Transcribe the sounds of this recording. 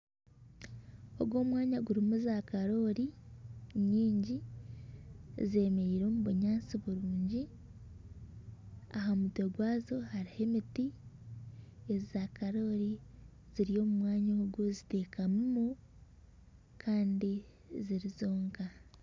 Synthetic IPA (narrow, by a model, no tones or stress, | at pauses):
oɡwo̞ːmwaːɲaɡuɾimuzakaɾo̞ɾi | ɲiːɲɟi | ze̞ːme̞ɾiːɾo̞ːmuβuɲaːt͡siβuɾuːɲɟi | aɦamutoɡwaːzo̞haɾihe̞miti | ezzakaɾo̞ːɾi | z̥iɾijo̞ːmumwaːɲaɡozite̞ːkʰamumu | kʰaːndi | ziɾizo̞ːŋka